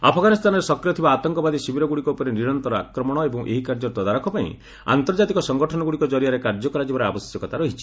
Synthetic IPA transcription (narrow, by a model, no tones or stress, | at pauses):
apʰɔɡanist̪ʰanɔɾesɔkɾjɔt̪ʰibaːt̪ɔŋkɔbad̪isibʱiɾɔɡuɽikɔupɔɾeniɾɔnt̪ɔɾɔa̰kɾɔmɔɽ̃ɔebɔŋʔḛɦikaɾd͡ʒɔɾt̪ɔd̪aɾɔkʰɔpaḭ̃ | a̰nt̪ɔɾd͡ʒat̪ikɔsɔŋɡɔʈʰɔnɔɡuɽikɔd͡ʒɔɾijaɾekaɾd͡ʒɔkɔɾad͡ʒibɔɾeabɔsjɔkɔt̪aɾɔɦit͡ʃʰi̥